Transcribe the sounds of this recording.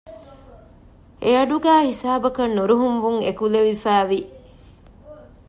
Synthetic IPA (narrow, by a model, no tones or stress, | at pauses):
ʔeɐɖuɡæːhisaːbɐkɐnːuɾuɦumʋuŋekuleʋifæːʋi